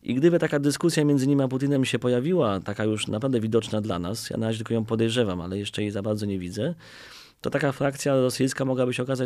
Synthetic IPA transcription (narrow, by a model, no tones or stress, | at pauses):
ʔiɡd̪ɘbɘt̪akad̪ɘskusʲjamʲjɛnd̪zɘɲimaput̪inɛmɕɛpɔjavʲiwat̪akajuʂnapɾavd̪ɛvʲid̪ɔt͡ʂnad̪la̰na̰sja̰naɾad͡ʑɛt̪l̟kɔjɔ̃pɔd̪ɛjʐɛvama̰lɛjɛʂt͡ʂɛjɛzabaɾd̪zɔɲɛvʲidzɛ | t̪ɔt̪akafɾakt̪sʲjaɾɔsɘjskamɔɡwabɘɕɛɔkaza